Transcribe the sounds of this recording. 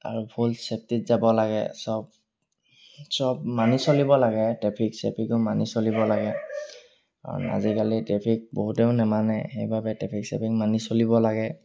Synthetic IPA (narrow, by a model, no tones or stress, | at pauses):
a̰ɹubʱulsɛp̚titzabɔlaɡɛ̰sɔb̚ | sɔb̚manisolibɔlaɡɛtɛpʰiksɛpʰikɔmanisolibɔlaɡɛ | a̰na̰zikalitɹɛpʰik̚boɦutɛʊnɛmanɛxejbʱabɛtɛpʰiksɛ̰pʰik̚manisolibɔlaɡɛ